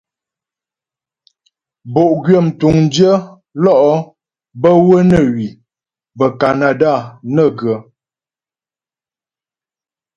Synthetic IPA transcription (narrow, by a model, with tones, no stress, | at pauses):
bo˨ʔɡɥə˨m̩˨tu˨ŋn̩˦djə˦ | lɔ˦˨ʔɔ˦ | bə˦wə˦nə˨ɥi˨ | bə˨ka˨na˨da˦˨nə˦˨ɡə˨˦